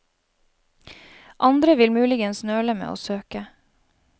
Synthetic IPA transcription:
ʔɑnd̪ɾəʋɪlmʉːlɪɡənsnøːɭəmḛːo̰ːsøːkə

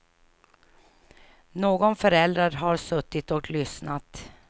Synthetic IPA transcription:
noːɡɔnfœɾɛld̪ɾaɾɦaɾʂɵt̪ːɪt̪ɔklʏsnat̪

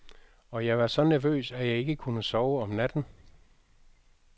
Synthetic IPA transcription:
ɒ̽jɑ̈ɪʋɑ̈sɒ̽næɐʋø̰ːsæjɑ̈ɪe̝ɡ̥əkʰunəsɒʊəɒ̽mnæd̥n̩

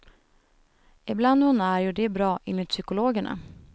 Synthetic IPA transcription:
ɪbland̪hʊnæɾjɵɖ̪ɛbɾɑːʔɪnːɪt̪sʏkʊloːɡəɳa̰

